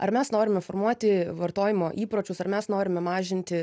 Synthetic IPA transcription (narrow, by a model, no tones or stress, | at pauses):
ɐ̰ɾmʲɛsnoːɾʲɪmʲɛfoːrmuɔt̪ʲɪʋɐɾt̪oːjɪmoːʔiːpɾoːt͡ʃʲʊsɐɾmʲɛsnoːɾʲɪmʲɛmɑːʒʲɪnʲt̪ʲɪ